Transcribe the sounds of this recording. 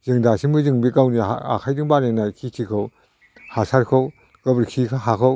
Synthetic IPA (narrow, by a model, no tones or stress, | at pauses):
zɯŋdasimɯzɯŋbikawniaa̰kʰajdɯŋbaɾnenajkʰitʰikʰaw | hasaɾkʰaw | ɡɐbɾkʰikʰaɦakʰaw